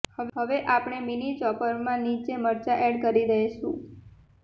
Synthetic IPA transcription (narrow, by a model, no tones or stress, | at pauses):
həɦəʋeʔapɳ̃eminit͡ʃɔpəɾmãnit͡ʃeməɾt͡ʃaʔɛɽkəɾiɾəɦʃṵ̃